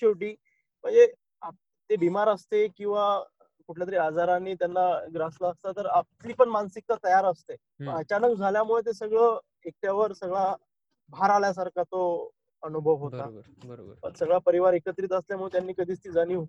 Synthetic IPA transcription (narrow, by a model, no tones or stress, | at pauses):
eʈiː | m̤əɳd͡ze | a | t̪ebimaɾəst̪ekĩw̃ʋa | kuʈʰljat̪əɾiad͡zaɾanːiːt̪janːaɡɾaslaəst̪at̪əɾat̪liːpəɳmansik̚t̪at̪əjaɾəst̪e | pəat͡ɕanəkd͡zʱaljamuɭet̪̬esəɡɭəː | ek̚ʈjaʋəɾsəɡɭa | bʱaɾaljas̬aɾkat͡so | ənubʱəʋɦot̪a | bəɾəɾpəɳsəɡɭapəɾiʋaɾekət̪ɾiːt̪əsljamuɭet̪janːiːkəd̪ʱiːt͡st̪iːd͡zani